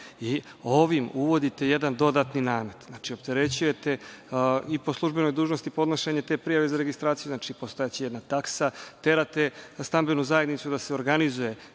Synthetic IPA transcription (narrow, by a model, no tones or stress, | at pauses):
i | o̞ʋimuʋo̞d̪it̪e̞je̞d̪and̪o̞d̪aːt̪ninaːme̞d̪znaːt͡ʃio̞p̚t̪e̞ɾe̞t͡ɕuje̞t̪e̞ | ipo̞slˠuʒbe̞no̞jd̪uːʒnost̪ipo̞d̪noʃeɲe̞t̪e̞ːpɾijaʋe̞zaɾeɡist̪ɾaːt̪sijuznat͡ʃipost̪o̞jat͡ɕijed̪nat̪aksat̪e̞ɾat̪e̞st̪ambe̞nuzaje̞d̪nit̪sud̪ase̞o̞ɾɡanizuje̞